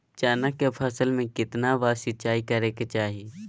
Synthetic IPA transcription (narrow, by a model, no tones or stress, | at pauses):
t͡ʃaːnakepʰɐsəlmẽkɪt̪naʋaːsɪt͡ʃaːikɐɾeːket͡ʃaːɦiiː